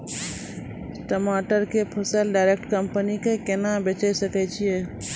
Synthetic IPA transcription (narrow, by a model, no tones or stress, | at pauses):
sʈəmaːʈəɾkepʰəsəlɖaɪɾek̚ʈkəmpənikekenabet͡ʃɛjsəkɛt͡ʃʰie